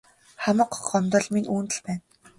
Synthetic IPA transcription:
χamə̆qɢɔmt̪ɞ̆ɮminuːnt̪ɘ̆ɮpæːn

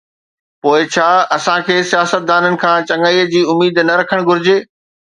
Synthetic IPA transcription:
poːɪt͡ɕʰaːɐsãkʰeːsijaːsət̪̚d̪aːnənɪ̆kʰãːt͡ɕɐŋaid͡ʑiːʊmiːd̪nɐɾɐkʰəɽ̃ɡʱʊɾɪd͡ʑeː

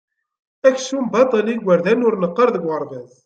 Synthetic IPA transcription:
æçsumbɑt̪ˤəliɡʷːəɾðænʊɾnəqːəɾðəɡəɾˤvəθ

